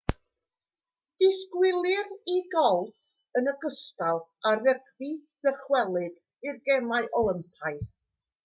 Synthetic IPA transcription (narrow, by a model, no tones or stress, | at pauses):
d̥ɪskwɪlˠɨriɡɔlˠθ | ənəɡəstalˠarəɡviðəχwɛlˠɨd | irɡɛmaɨʔɔlˠəmpʰaɨ